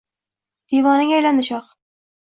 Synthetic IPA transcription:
d̪̥evɒnɪŋæjland̪ɪʃɑq

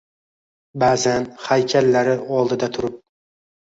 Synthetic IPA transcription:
bazanhajkʲʰalːaɾɪɒlˠd̪ɪd̪at̪ʰʊɾɪp̚

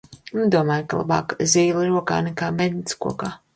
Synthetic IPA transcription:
nud̪uɔmaːjkalˠa̰ba̰ːkzʲiːlˠiɾuɔka̰ːnɛkaːmɛd̪ʲskṵɔkaː

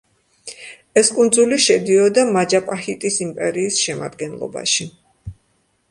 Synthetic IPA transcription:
ɛskʼund̪zuliʃɛd̪iɔd̪amad͡ʒapʼahit̪ʼisimpʼɛɾiːsʃɛma̰d̪ɡɛnlˠɔ̰ba̰ʃi

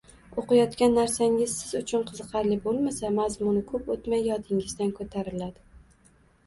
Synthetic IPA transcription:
oqɨjɒt̪kʲanːaɾsaŋɪz̥sɪzʊt͡ʃʰʊnqʰɨzɨqʰɑɾlɪbolˠmasamazmʊnɪkʰɵpot̪majːɒt̪ʰɪŋɪzd̪ankʰot̪ʰaɾɪlad̪ɪ

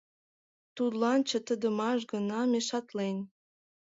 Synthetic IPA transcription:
t̪ud̪lɑnt͡ɕə̆t̪əd̪ə̆mɑʃɡənɑmeʃɑt̪len

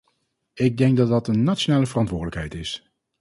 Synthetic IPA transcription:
ɪɡ̚dɛŋɡ̚dɑd̚ɑtənːaːtt͡ʃonaːləvərɑntʋʊːɹdələkɦɛjtɪs

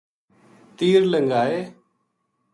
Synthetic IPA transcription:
t̪iːɾləŋɡaːeː

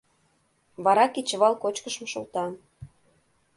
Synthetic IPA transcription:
βɑɾɑkit͡ɕə̆βɑlˠkot͡ɕkəʃmɤʃolt̪ɑ

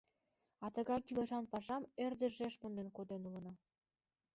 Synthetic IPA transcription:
ɑt̪ə̆ɣɑjkileʃɑnpɑʃɑmerd̪ə̆ʒeʃpond̪enkod̪enulɤ̆nɑ

